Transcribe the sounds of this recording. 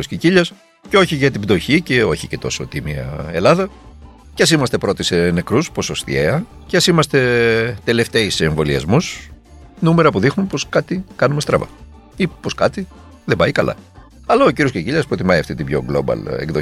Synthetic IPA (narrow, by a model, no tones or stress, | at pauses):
osciciʎɐs | ceo̞çiʝɐt̪ibd̪o̞çice̞o̞çice̞t̪o̞̰so̞̰t̪imiɐ̰e̞lɐðɐ | ceɐs̬imɐst̪e̞pɾo̞t̪ise̞ne̞kɾusposost̪ḭeɐ | ceɐsimɐst̪e̞t̪e̞le̞ft̪eiseːɱvo̞liɐ̰zmus | nume̞ɾɐpuðixnunpo̞skɐt̪ikɐnume̞st̪ɾɐ̰vɐ̰ | ipo̞skɐt̪i | ðebɐikɐlʔɐ̰ | ɐlɐociɾiosciciʎɐspɾo̞t̪imɐiɐft̪it̪ibʝo̞̰ɡlo̞̰bɐ̰lḛɡðo